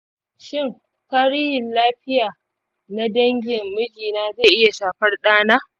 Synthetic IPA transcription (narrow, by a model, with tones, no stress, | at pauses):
ʃɪ˦˨ŋ | ka˦ɽɪ˦jɪ˨nlaː˦ɸɪ˦jaː˨ | na˦dɐ˦ŋɡʲɪ˨mːʊ˦d͡ʒiː˨naː˦zeː˦˨ʔɪ˦ja˨ʃaː˨ɸɐ˦rɗaː˦naː˦